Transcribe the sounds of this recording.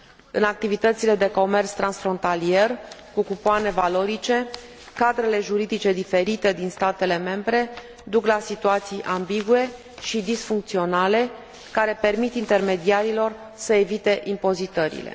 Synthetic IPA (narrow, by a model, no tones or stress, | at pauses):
ɨnak̚t̪ivit̪ət̪sile̞d̪e̞ko̞me̞rt̪st̪ɾansfɾo̞nt̪alie̞rkukupoane̞valo̞ɾit͡ʃe̞ | kad̪ɾe̞le̞ʒuɾid̪it͡ʃe̞d̪ife̞ɾit̪e̞d̪inst̪at̪e̞le̞me̞mbɾe̞ | d̪uklasit̪uat̪sijʔambiɡue̞ | ʃid̪isfuŋk̚t̪sio̞nale̞ | kaɾe̞pe̞rmit̪int̪e̞rme̞d̪iaɾilo̞r | səevit̪e̞ʔimpo̞zit̪əɾḭlḛ